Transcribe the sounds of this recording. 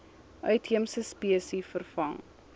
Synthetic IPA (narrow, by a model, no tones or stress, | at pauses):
ʔœɥtɦiəmsəspiəsifərfɐŋ